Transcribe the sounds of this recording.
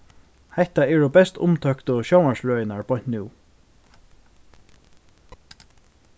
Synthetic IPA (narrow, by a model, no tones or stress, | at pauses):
hɛht̪aɛɹɔbɛst̪ʊ̰mt̪ʰœkt̪ɔʃowmaɹsɹœːjɪnaɹpʰɔjn̥t̪nuː